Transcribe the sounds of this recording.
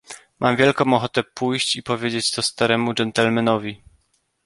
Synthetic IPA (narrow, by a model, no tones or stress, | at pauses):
mʔamvʲjɛlkɔ̃w̃ɔxɔt̪ɛpujɕt͡ɕipɔvʲjed͡ʑet͡ɕt̪ɔst̪aɾɛmud͡ʐɛnt̪ɛlmɛnɔvʲi